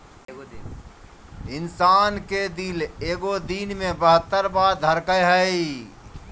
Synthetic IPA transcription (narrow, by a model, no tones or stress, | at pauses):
ɪnsaːnked̪ileːɡod̪iːnmẽbəɦət̪ːəɾbaːd̪ʱəɾkəjɦəi